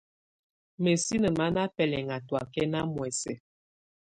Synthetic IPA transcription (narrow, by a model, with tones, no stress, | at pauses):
me˨si˦nə˨ma˦na˦pɛ˨lɛ˨ŋa˨twa˨kɛ˦na˦mwɛ˨sɛ̰˨